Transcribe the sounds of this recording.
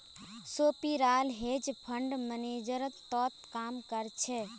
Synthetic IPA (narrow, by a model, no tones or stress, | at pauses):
soːpiɾaːlɦeːd͡ʒpʰəɳɖməneːd͡ʒəɾət̪ːɔːt̪kaːmkəɾt͡ʃʰɛ